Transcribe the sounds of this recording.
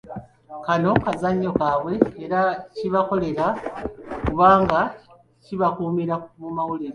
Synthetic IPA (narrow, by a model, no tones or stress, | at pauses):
kano̞kazaɲːo̞kaβwe̞ːɾaciβako̞le̞ɾa | kuβaːŋɡa | ciβakuːmiɾakuumawuliɾa